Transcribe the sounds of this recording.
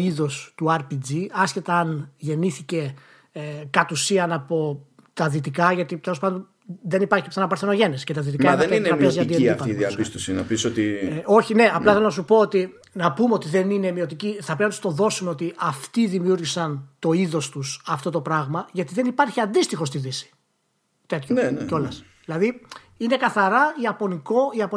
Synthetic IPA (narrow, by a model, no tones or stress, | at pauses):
iðo̞st̪uɐɾpid͡ziɐsce̞t̪ɐːnʝe̞niθice̞ | kɐt̪usiɐnɐpo̞ | t̪ɐðit̪ikɐʝɐt̪it̪e̞lospɐnd̪on | ðe̞nipɐɾçipsenɐpɐɾθeno̞ʝe̞nescet̪ɐðit̪ikɐineiɾɐpezɐnd̪ieifpɐiðiɐpist̪osinɐpisot̪io̞çine̞ɐplɐθelonɐsupo̞ot̪i | nɐpumeo̞t̪iðe̞nine̞mio̞t̪iciθɐpɾinɐt̪u̥st̪o̞ðo̞sumeo̞t̪iʔɐft̪iðimiuɾʝisɐnt̪o̞iðo̞st̪usɐft̪o̞t̪o̞pɾɐɣmɐʝɐt̪iðe̞nipɐɾçiɐnd̪ist̪ixo̞st̪iðisi̥ | t̪e̞t̪çoneeo̞lɐs | ðilɐði | ine̞kɐθɐɾɐiɐpo̞niko̞iɐpo